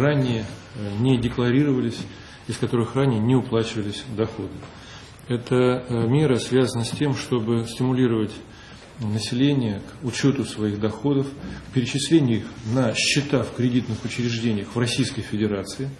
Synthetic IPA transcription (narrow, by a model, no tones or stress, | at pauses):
ranʲɪjənʲɪdʲɪklˠɐɾʲiɾəvəlʲɪsʲ | ɪskɐt̪o̞ɾɨxranʲɪjənʲɪʊplˠat͡ɕɪvəlʲɪsʲd̪ɐxo̞d̪ɨ | ɛt̪əmʲe̞ɾəsvʲazənəsʲtʲe̞mʂt̪o̞bɨsʲtʲɪmʊlʲiɾəvətʲ | nəsʲɪlʲenʲɪjəkʊt͡ɕot̪ʊsvɐiɣd̪ɐxo̞d̪əfkpʲɪɾʲɪt͡ɕɪsʲlʲenʲɪʊixnəɕːɪt̪afkɾʲɪdʲit̪nɨxʊt͡ɕɾʲɪʐdʲenʲɪjəxvrɐsʲijskəjfʲɪdʲɪɾat̪sɨɪ